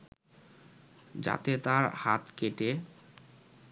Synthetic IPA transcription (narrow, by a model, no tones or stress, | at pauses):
d͡ʑa̰t̪et̪aɾhat̪keʈe